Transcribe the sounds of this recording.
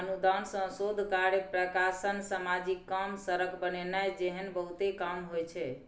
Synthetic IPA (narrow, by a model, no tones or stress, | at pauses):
ənud̪ansə̃sod̪ʱkaɾjepɾəkasənsamad͡ʒikːamsəɾəkʰbənenajd͡ʒeɦənbəɦut̪ekamɦojt͡ʃʰɛ